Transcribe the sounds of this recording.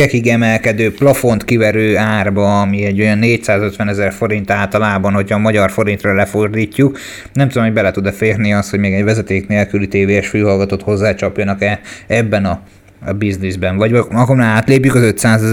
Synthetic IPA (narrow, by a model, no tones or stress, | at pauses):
ɛkiɡɛmɛlkɛd̪øːplɒfo̞nt̪kivɛɾøːaːrbɒːmiɛɟːo̞jɒnːeːcsaːzø̞t̪ʋɛnɛzɛrfo̞ɾint̪aːlt̪ɒlaːbɒnho̞cʰhɒːmɒɟɒrfo̞ɾint̪rɒlɛfo̞rd̪iːcːuk | nɛmt̪ud̪omhoɟbɛlɛt̪ud̪ɛfeːrniɒst̪ho̞ɟmeːɡɛɟʋvɛzɛt̪eːkneːlkylit̪eːveːɛʃfyːɦɒlɡɒt̪ot̪ho̞zːaːt͡ʃɒpjɒnɒkɛɛbːɛnɒ | biznizbɛnvɒɟɒɡomnaaːt̪leːpjykɒzø̞t̪saːzɛ